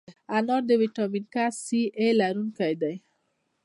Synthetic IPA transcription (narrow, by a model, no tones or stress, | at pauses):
anɔɾd̪əwiʈɔminkassiʔelaɾunkajd̪aj